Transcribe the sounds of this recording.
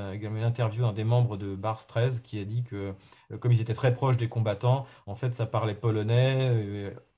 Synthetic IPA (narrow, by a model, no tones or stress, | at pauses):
eɡalmɑ̃ynɛ̃t̪ɛʁvjuɛ̃d̪emɑ̃bʁəd̪əbaʁst̪χɛzkʲiad̪ikəkɔmilzet̪ɛt̪χɛpχɔʃ̬d̪ekɔ̃bat̪ɑ̃ɑ̃fɛt̪sapaʁlɛpɔlɔnɛ